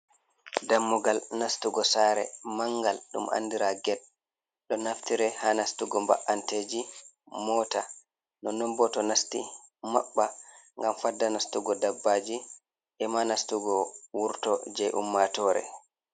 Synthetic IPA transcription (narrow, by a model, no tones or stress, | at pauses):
damːuɡalnastuɡɔsaɾɛ̰maŋɡalɗumʔa̰ndiɾaɡɛd̚ | ɗɔnaftiɾɛhanastuɡɔmba̰ʔanteːd͡ʒi | mɔta | nɔnɔmbɔtɔnastimaɓːaŋɡamfadːanastuɡɔdabːad͡ʒi | ʔɛmanastuɡɔwuɾtɔd͡ʒɛjʔṵmːatɔɾɛ̰